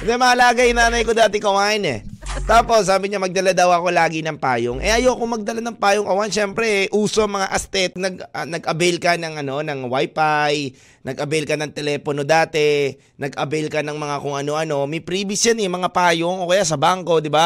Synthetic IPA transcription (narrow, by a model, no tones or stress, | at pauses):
d̪ɛmɐalaːɡɐjʊnaːnɐjkod̪aːt̪ɛkɐwanɛ̰ | t̪aːpo̞sːaːbɪɲamɐɡ̚d̪ɐlad̪ɐwɐko̞laːɡɪnɐŋpaːjoŋʔɛ̰ʔɐjowɐkoŋmɐɡ̚d̪ɐlanɐŋpaːjoŋʔɐwanʃɛmpɾɛʔuːsoɐŋmɐŋaʔɐst̪ɛt̪̚nɐɡ̚nɐɡʔɐbɛlkɐnɐŋɐno̞nɐŋwajpaj | nɐɡʔɐbɛlkɐnɐŋt̪ɛlɛːpono̞d̪aːt̪ɛ | nɐɡʔɐbɛlkɐnɐŋmɐŋakʊŋʔɐno̞ʔɐno̞mɪpɾiːbɪsjanɛmɐŋapaːjoŋʔokɐjaʔsɐbaŋko̞d̪ɪba